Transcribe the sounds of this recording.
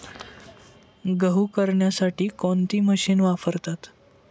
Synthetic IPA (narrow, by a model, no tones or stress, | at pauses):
ɡəɦukəɾɳjasaʈiːkont̪iːməɕiːnʋapəɾt̪at̪